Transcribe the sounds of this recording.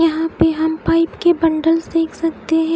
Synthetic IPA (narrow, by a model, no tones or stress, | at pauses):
jɐɦãpeɦɐmpaːɪpkebɐ̃ɳɖəlsd̪eːkʰsɐk̚t̪eɦɛ̃